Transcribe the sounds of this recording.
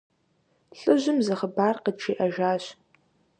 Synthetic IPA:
ɬʼɨʒɪmzɐχəbaːrqəd̚ʈ͡ʂʰiːʔɐʒaːɕ

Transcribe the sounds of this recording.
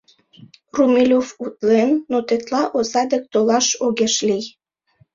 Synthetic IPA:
rumilʲofut̪lenːot̪et̪lɑʔozɑd̪ek̚t̪olɑʃoɣeʃlij

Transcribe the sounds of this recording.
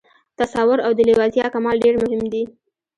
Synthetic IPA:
t̪asawʊɾawd̪əlɪwɑzijɑkamɑlɖeɾmʊhɪmd̪i

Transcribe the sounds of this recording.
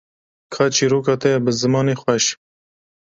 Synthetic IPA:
kʰɑːt͡ʃiːɾoːkɑːt̪ɛjɛbɨzɨmɑːneːxʷwɛʃ

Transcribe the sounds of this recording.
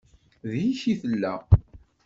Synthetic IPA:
ðjiçiθəlːæ

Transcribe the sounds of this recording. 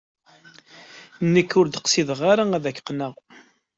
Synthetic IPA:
nːəkːʊɾd̪əqsiðʁaɾaæðækːə̥qːnəʁ

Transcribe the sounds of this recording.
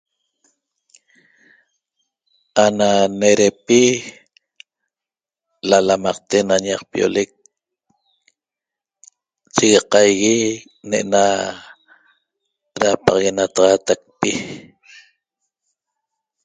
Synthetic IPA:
ananeɾepi | lalamɑq̚t̪enaɲaqpio̰lek̚ | t͡ʃiɣeqɑjɣi | neʔna | ɾapɑʁɣenat̪ɑʁɑːt̪ak̚pi

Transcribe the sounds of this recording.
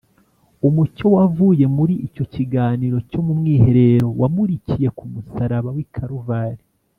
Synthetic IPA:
umuco̞wavuːje̞muɾiico̞ciɡaːniɾo̞comumŋiːhe̞ɾe̞ɾo̞wʔamuɾicije̞kumusaɾaβawikʰaɾuvaːɾi

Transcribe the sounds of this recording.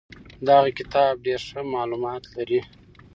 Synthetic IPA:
d̪aɣakɪt̪ɑb̚ɖeɾʂəmɑlumɑt̪laɾi

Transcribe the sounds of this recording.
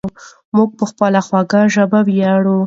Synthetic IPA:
muɡ̚pəxpəlaxwɑɡaʒabawjɑɽu

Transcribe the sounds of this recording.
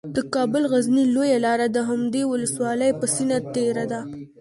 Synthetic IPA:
d̪əkɑbʊlɣaznilojalɑɾad̪əɦamd̪ewʊləswɑləjpəsinat̪eɾad̪a

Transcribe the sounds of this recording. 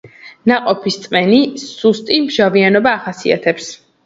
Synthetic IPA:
naqʼɔpʰist̪sʼmɛnisust̪ʼimʒavianɔbaːχasia̰t̪ʰɛps

